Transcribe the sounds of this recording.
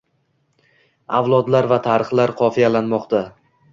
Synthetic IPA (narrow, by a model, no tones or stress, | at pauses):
avlˠɒd̪laɾvat̪ʰaɾɨχlaɾqʰɒfijalanmɒqt̪ʰa